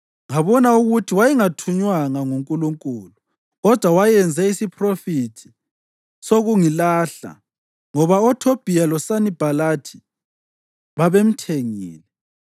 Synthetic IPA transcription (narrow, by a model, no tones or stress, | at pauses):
ŋaβɔnauɣutʰiwajiŋatʰuɲwaŋaŋuŋkʼuluŋkʼuːlu | ɣɔd̥ʱwawajɛnd͡zʱɛisipʰʼrofitʰi̥ | soɣuŋilaɬa̰ | ŋɔβaɔtʰob̥ʱijalɔsanib̥ʱalatʰi̥ | βaβem̩tʰeŋḭːlɛ